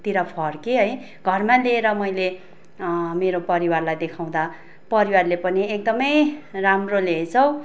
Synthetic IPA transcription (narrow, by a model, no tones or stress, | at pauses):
t̪iɾʌpʰʌrkeɦʌj | ɡʱʌrmãleːɾʌmʌjle | meɾopʌɾiwarlajd̪ekʰaw̃d̪a | pʌɾiwarlepʌniek̚d̪ʌmʌjramrolet͡sʰʌw